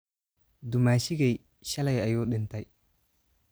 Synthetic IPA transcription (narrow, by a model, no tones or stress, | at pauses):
dumaʃiɡej | ʃalajajoɗintaj